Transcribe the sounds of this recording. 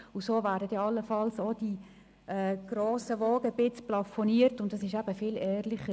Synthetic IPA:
ʊsoːvæːɾdətjɑɑlːəfɑlsod̥i | ʔɛɡ̥ɾoːsəʋoːɡəb̥ɪt͡splɑfoniːətʊntdɑsɪʃæb̥əfɪlɛːɾlɪχə

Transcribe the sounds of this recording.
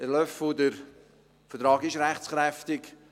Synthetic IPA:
əlœfodəɾ | fətɾɑːɡɪʃɾæχt͡sχɾɛftɪk

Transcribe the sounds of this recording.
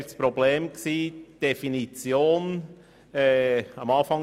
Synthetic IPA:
spɾobleːmksiːd̥efinit͡sjoːn | ɛɑmɑːfɑŋ

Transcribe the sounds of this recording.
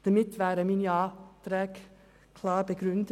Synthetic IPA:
d̪̥ɛmɪt̪ːʋæːɾəminɑːd̪̥ɾɛːɡ | kʰlɑːɾbəɡɾʉnd̪

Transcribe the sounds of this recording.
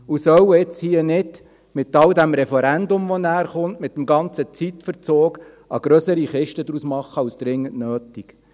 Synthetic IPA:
usœwɪt͡shiənɪd̥ | mɪt̪ːɑld̪æmɾɛfɛɾænd̪ʊmʋɔnæːɾχʊntmɪt̚ːmɡɑnt͡sət͡sit̪fəɾt͡soːk | ɑɡ̥ɾœsəɾiχɪʃtəd̪ɾusmɑχːəɑwsd̪̥ɾɪŋːəntnøːtik

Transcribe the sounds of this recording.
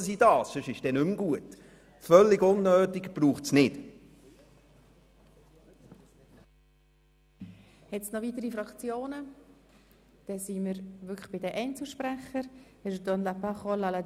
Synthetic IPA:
sidɑːssøʃɪʃd̥ɛnʏmɡuət | fœlːɪɡʊnːøːtɪkb̥ruːχtsnɪt | hɛtt͡snɔvitəɾifɾɑkt͡sjoːnə | d̥ɛsiməɾvʏkʰəχb̥ɪdəʔɛɪnt͡suʃpɾæχəɾ | ɛd̥ɔnlapaχɔlalad

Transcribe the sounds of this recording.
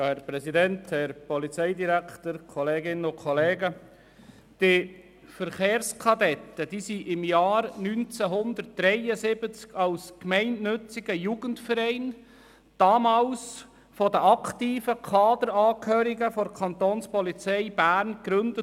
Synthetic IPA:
jɑːhɛɾpɾɛsidɛnthɛɾpɔlit͡sɛɪdiɾækʰtəɾkʰɔleːɡɪnəʊkʰɔleːɡə | d̥i | fəɾχeːɾskʰɑdɛt̪ːəd̥isiʔɪmjɑːɾnynt͡sæɦʊnd̪əɾt̚d̥ɾɛɪəsɪbət͡skɑlskmɛɪnnɵt͡sɪɡ̥əjuːɡ̥əntfəɾɛɪn | d̥ɑːmɑːls | fɔdəʔɑkt̪iːfəkʰɑːd̪əɾɑːkhøːɾiɡəfɔɾkʰɑnt̪oːnspɔlit͡sɛɪb̥æːɾnɡɾɵndə

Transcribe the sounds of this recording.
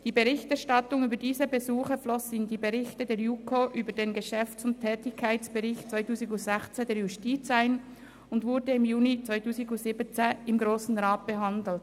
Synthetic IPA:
d̥iːbəʁɪçtɛʁʃtɑtʊŋyːbədiːzəbəzuːχəflɔsɪndiːbeʁɪçtədeːjuːkʰoʔyːbədeːnɡəʃɛft͡sʊntʰːɛːtɪkʰːaɪt͡sb̥əʁɪçtt͡svaɪtuːzɪɡʊzɛxt͡sedeːjʊstiːt͡saɪn | ʊndvʊɾdəɪmjuːnit͡svaɪtuːziɡʊz̥ibət͡seɪmɡʁoːsn̩ʁaːt̚b̥əɦɑndl̩t

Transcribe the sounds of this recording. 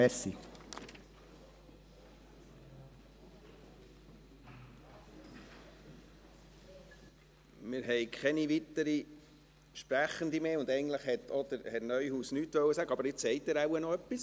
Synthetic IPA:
ɛɾsi | mɪːɾɦɛjkʰχɛniʋit̪ːəɾi | ʃpɾæχənd̪imeːʊnd̪ɛɪn̩t̪ləχhɛt̪ɔd̪əɾhɛɾnœʏhuːsnyːtʋœwːəsæɡəɑbəɾɪt͡sːɛɪtæɾawənɔœpːis

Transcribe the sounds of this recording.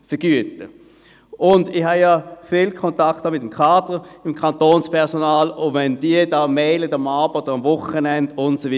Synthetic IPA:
fəɡ̥yətə | ʔʊndɪχhajafiːlkʰɔntakthaːmɪtəmkʰaːdəɪmkʰɑntoːnspʰɛɐsɔnaːlʊvɛnd̥iədaːmɛːlətamaːbəod̥əʁamvʊχənɛndʊntsovi

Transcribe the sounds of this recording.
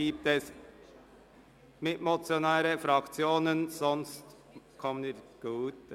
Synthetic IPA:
iːp̚tɛs | mɪtmot͡sjonaːɾəfɾɑkt͡sjoːnənsɔnst | kʰɔməniːɡ̥uːt

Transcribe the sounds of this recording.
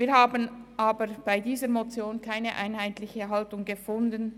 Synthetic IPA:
viːɾhaːbənʔaːbəɹb̥aɪdiːzəɾmot͡sjoːnkʰaɪnəʔa̰ɪnɦaɪtlɪçəɦaltʊŋɡəfʊndən

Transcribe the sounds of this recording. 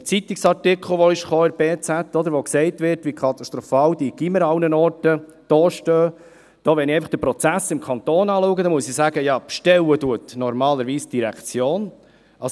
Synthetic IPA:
t͡sit̪ɪksɑɾtɪkʰχl̩ˠʋɔɪʃχoːɪɾb̥eːt͡sæt̪ːɔd̪əɾʋɔksɛɪtʋɪɾtʋikʰɑt̪ɑst̪ɾɔfɑːwd̥̪iɡ̥iməɾɑwnənɔːrtə | d̥ɔːʃtøː | d̥ɔːʋɛnɪɛɪfɑχd̥̪əpɾɔt͡sæsːɪmkʰɑnt̪oːnɑːluːɡəd̥̪ɑmuəsisæɡəjɑpʃtɛlːəduət̪nɔɾmɑːləɾʋiːsd̥iɾækt͡sjoːn | ɑ

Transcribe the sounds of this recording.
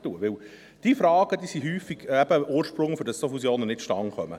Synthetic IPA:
tuəʋɪw | d̥iːfɾɑːɡ̥əd̥iːsiɦyːfiɡ̥ɛb̥əʔoːɾʃpɾʊŋfʏɾdɑsofusjoːnənɪtʃtɑŋχœmə̰

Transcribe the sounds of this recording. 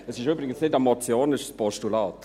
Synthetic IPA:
əsɪʃyːbɾɪɡənsnɪtamɔt͡sjoːnɪʃspɔʃtulaːt

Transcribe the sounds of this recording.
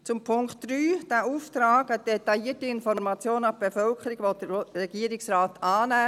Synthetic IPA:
t͡sʊmpʰʊŋktd̥ɾyːd̥æːʔuːft̪ɾaːɡəd̥etɑjiːətiɪnfɔɾmɑt͡sjoːnɑbb̥efœlkʰəɾiɡ̥ʋɔt̚d̥ərɛɡiəɾɪksraːt̪ɑːnæː

